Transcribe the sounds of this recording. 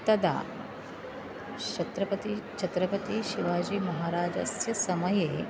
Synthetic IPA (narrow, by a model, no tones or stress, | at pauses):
t̪ɐd̪a̰ː | t͡ʃɐt̪ɾɐpɐt̪it͡ʃʰɐt̪ɾɐpɐt̪iʃiʋaːd͡ʒiːmɐɦaːɾaːd͡ʒɐ̰sjɐsɐmɐjeː